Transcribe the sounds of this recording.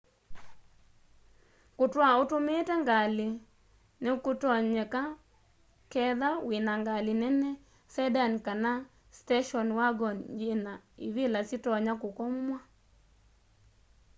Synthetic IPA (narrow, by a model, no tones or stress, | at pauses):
kʊtwaotometɛŋɡalɪ | nɛkotɔɲɛka | kɛðawɪnaŋɡalɪnɛnɛ | sɛdankana | stɛʃɔnwaɡɔnd͡ʒenaɪ̰βɪlasɪtɔɲakokɔmːwa